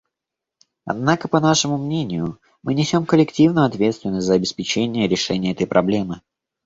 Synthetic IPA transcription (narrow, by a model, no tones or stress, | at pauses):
ɐ̰d̪nakəpɐnaʂɨmʊmnʲenʲɪjʊ | mɨnʲɪsʲo̞mkəlʲɪktʲivnʊjʊɐt̪vʲe̞t̪st̪vʲɪnːəsʲtʲzəɐbʲɪspʲɪt͡ɕenʲɪjəɾʲɪʂɛnʲɪjəɛt̪əjpɾɐblʲe̞mɨ